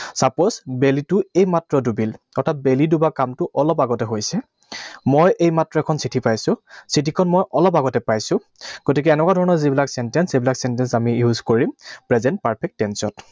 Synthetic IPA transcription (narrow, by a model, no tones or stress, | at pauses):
saɹpozbelitʊejmatɹɔdubilɔtʰat̚belidubakamtʊʔɔlɔpaɡɔtɛɦojsɛ | mojʔejmatɹɔɛkʰɔnsitʰipajsʊ̃sitikʰɔnmɔjʔɔlɔpaɡɔtɛpajsʊ̃ | ɡ̥otik̬ɛːnɛkwadʱɔɹɔnɔɹzibilaksɛntɛnsebilaksɛntɛnsamijuzkoɹimpɹɛzɛnt̚paɹpʰɛk̚tːɛnsɔt